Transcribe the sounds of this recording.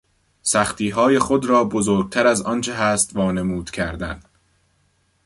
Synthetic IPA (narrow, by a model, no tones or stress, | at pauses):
sæχt̪iːɦɒːje̞xod̪ɾɒːbozoːɾɡ̚t̪ʰæɾæzɒnt͡ʃʰeɦæːst̪vɒːnemuːd̪̥cʲʰæɾd̪æn